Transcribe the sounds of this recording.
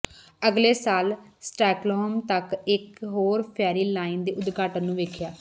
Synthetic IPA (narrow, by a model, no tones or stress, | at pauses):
əɡleːsaːlsʈɛːklɔːmt̪əkɪkɦoːɾpʰɛːɾiːlaːind̪eːʊd̪ɡʱaːʈənːũːʋeːkʰjaː